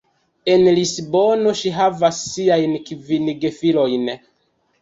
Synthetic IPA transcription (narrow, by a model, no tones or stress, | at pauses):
enlisbo̞no̞ʃiɦavasːiajnkvinɡefilo̞jn